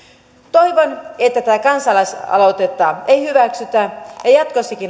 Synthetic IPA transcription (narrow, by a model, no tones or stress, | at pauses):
t̪o̞jʋonet̪ːæt̪æːkɑnsɑlɑsɑ̰lo̞t̪et̪ːɑejhyʋæksyt̪æjɑjɑt̪kosːikin